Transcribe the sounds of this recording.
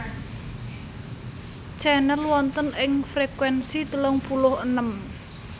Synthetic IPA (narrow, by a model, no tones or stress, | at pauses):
t͡ʃɛnəlwɔnt̪ənʔɪŋfɾekwɛnsit̪əlɔŋpulʊhənəm